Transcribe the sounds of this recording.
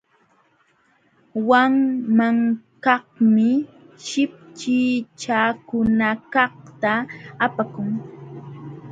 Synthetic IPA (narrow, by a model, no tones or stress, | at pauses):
waŋmaŋkɑhmɪ | ʃɪp̚t͡ʃɪt͡ʃakʊnakɑht̪aːpakʊŋ